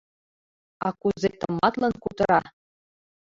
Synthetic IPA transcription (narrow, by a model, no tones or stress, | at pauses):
ɑkuzet̪ɤ̆mːɑt̪lˠɤnkut̪ɤ̆ɾɑ